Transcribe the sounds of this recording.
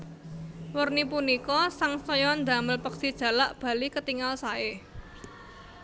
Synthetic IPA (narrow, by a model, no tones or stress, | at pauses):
wərnipunikɔsaŋsɔjɔnd̪ä̤məlpəksid̥ʒ̥a̤laʔb̥ä̤likət̪iŋalsae